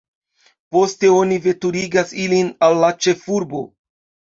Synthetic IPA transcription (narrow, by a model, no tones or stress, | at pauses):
po̞ste̞o̞nive̞tuɾiɡasilinalːat͡ʃe̞fuɾbo̞̰